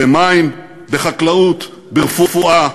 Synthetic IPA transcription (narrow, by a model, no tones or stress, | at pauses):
emaim | beχaklaut̪ | beʁfufuʔa